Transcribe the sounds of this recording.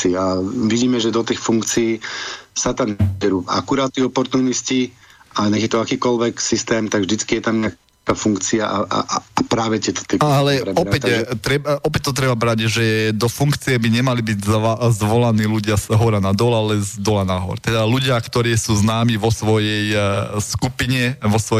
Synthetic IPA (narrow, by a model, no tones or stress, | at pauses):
iaʋiɟiːmɛʒɛd̪ɔt̪iːxfuŋkt͡siːsat̪amnɛbɛɾua̰kuɾaːt̪̚t̪iɔpɔɾt̪uːnisci | aɲɛɣjɛt̪ɔakiːkɔlʋɛksist̪ɛːmt̪aɡʒd̪it͡skijɛt̪amɲa | kafuŋkt͡siaʔaʔa̰pɾaːʋɛt̪ɪɛt̪ɔ̥t̪ɛalɛpɾɛɔɾpɛct̪ɾɛbɔpɛc̚t̪ɔt̪ɾɛbabɾaɟʒɛd̪ɔfuŋkt͡sijɛbiɲɛmalibiɟzzʋɔlaniːluɟɪasɦɔɾanad̪ɔlalɛzd̪ɔlanaɦɔ̰ɾt̪ɛd̪aluɟɪakt̪ɔɾiːsuːznaːmiʋɔsʋɔjɛjskupiɲɛʋɔsʋɔ